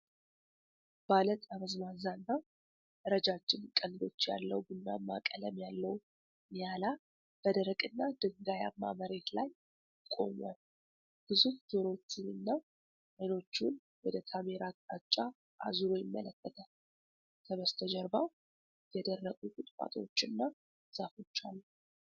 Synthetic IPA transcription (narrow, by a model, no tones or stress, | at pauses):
b̥alət̪ʼaməzmazanːa | ɾəd͡ʒad͡ʒːɪmkʼənd̪o̞t͡ʃːja̰lːəwbunːa̰mːa̰kʼələmjalːəw | njala | b̥əd̪əɾəkʼɨnːad̪ɨŋɡaja̰mːa̰məɾe̞t̪laj | kʼo̞̰ma̰l | b̥ɨzufd̪o̞ɾo̞t͡ʃːɪnɨnːa | məjno̞t͡ʃːun | wɔd̪ət̪ʰameɾatʼat͡ʃʼːa | ʔa̰zuɾo̞jɪmːələkːət̪ʰə | t̪ʰəməst̪ʰəd͡ʒɛɾbaw | jɛd̪ərːəɡʼukʼut̪ʼfʼa̰t̪ʰʼo̞̰t͡ʃːɨnːa | safo̞t͡ʃːalː